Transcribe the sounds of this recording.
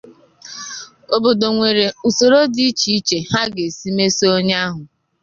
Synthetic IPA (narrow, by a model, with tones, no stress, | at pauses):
o˨bo˨do˨ŋʷe˨ɾe˨u˨so˨ɾo˦di˦t͡ʃi˦i˦t͡ʃe˨ha˦ɡe˨si˦me˦so˦ɲa˦a˦ɦʊ˨